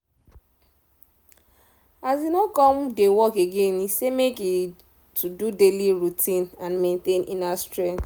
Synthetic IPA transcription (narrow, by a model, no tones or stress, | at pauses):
azinokɔ̃mdewɔkeɡẽnisemeki | tʰududeliɹutʰĩnãnmẽntẽnḭ̃nastɹɛ̃ŋt